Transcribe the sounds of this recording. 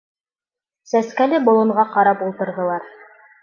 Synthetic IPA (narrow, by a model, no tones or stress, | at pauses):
sæskælɘbŏlˠɤ̆ɴʁɑqɑɾɑpulˠt̪ɤ̆ɾðɤ̆lˠɑɾ